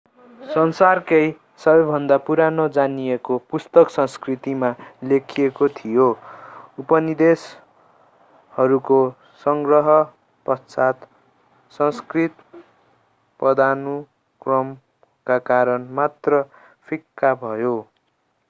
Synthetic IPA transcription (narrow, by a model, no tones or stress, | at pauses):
sʌnsarkʌj | sʌbʌjbʱʌnd̪apuɾanod͡zanijekopust̪ʌksʌ̃skrit̪imalekʰiekot̪ʰijo | upʌnid̪es | hʌɾuko | sʌŋɡrʌɦʌ | pʌt͡sat̪ | sʌ̃skrit̪ | pʌd̪anu | krʌm | kakaɾʌnmat̪rʌ | pʰikːabʱʌjo